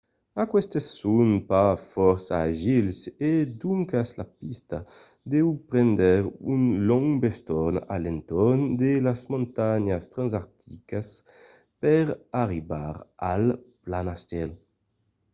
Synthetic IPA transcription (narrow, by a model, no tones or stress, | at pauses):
akwɛst̪esːunpafɔɾsaːʒilsed̪uŋkaslapist̪a | d̪ɛwupɾɛnd̪ɛʁunlɔŋbest̪ɔna̰lent̪ɔnd̪elasmõnt̪aɲast̪ɾãnzaɾt̪ʰikas | pɛʁaʁiba̰ʁal | planast̪ɛl